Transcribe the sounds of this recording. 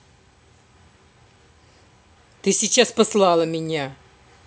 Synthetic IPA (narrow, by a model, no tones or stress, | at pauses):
t̪ɨsʲɪt͡ɕaspəslˠalˠəmʲɪnʲa